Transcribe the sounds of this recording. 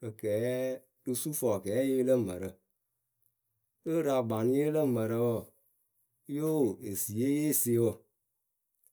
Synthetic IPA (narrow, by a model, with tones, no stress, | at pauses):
ə˨kɛ˨˦ | dɨ˧su˦fɔ˨kɛː˨˦je˦lə˦˨mə˨ɾə˨ | ə˦ɾa˨ba˨n˦je˦lə˦˨mə˨ɾə˧wo˦˨˦ | jo˦˨e˨si˨e˦je˦˨se˨˦wo˨